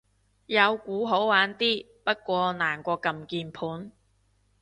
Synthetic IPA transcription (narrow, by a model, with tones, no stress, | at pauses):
jɐ˨˧wkuː˨˥ɦo˨˥wwaː˨˥nt̪iː˥ | pɐ˥t̚kʷɔː˧naː˨˩nkʷɔː˧kɐ˨mkiː˨npʰuː˨˥n